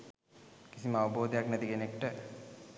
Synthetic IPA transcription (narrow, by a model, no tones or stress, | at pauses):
kisiməaʋəboːd̪əjaknæt̪ikenekʈə